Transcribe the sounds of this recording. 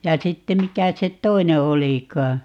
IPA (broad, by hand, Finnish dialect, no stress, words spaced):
jɑ sitːe mikæ se tˑoine olikɑː